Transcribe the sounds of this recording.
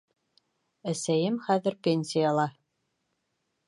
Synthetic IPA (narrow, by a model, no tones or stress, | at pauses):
æsæjɘmχæðɘ̆ɾpʲenʲsʲijalˠɑ